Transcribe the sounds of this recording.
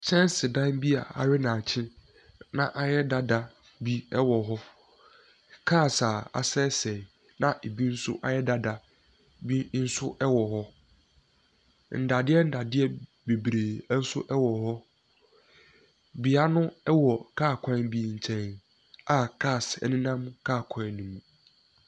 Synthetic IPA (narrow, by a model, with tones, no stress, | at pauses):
t͡ɕʰɛ̃˦n˦sɪ˨dã˦nbi˦a̰˨a̰˨ɾɪ˦nã˨t͡ɕʰɪ̃˦ | nã˨ʔa˨jɛ˦da˦da˨ | bi˦ɛ˦wɔ˨ɦɔ˦ | kʰaː˦˨sa˨a̰˨sɛ˦sɛ˨ | nã˨ʔe˨bi˦n̩˦sʊ̰˦ʔa˨jɛ˦da˦da˨ | bi˦n̩˦sʊ˦ʔɛ˦wɔ˨ɦɔ˦ | n̩˨da˨dɪ˦ɛ˦n̩˦da˨dɪ˦ɛ˦ | be˨bɾeː˨˦n̩˦sʊ̰˦ʔɛ˦wɔ˨ɦɔ˦ | bi˨a˦nʊ̃˦ɛ˦wɔ˨kʰaː˦˨kʷʰã˦nbi˦ɲ̩˨t͡ɕʰɛ̃˨n | a˨kʰaː˦˨sɛ̰˨nĩ˦nã˦mkʰaː˦˨kʰã˨nːũ˨mũ˨